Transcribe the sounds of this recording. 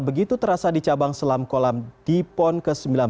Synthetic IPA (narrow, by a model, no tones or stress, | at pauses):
bəɡit̪ut̪əɾasadit͡ʃabaŋsəlamkolamd̥ipɔnkəsəmbilan